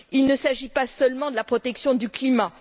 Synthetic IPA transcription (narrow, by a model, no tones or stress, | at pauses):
ilnəsaʒipasœlmɑ̃d̪əlapχɔt̪ɛksjɔ̃d̪yklima